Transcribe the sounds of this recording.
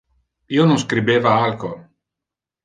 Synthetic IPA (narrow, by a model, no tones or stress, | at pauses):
iːonõnskɾibeːvaalko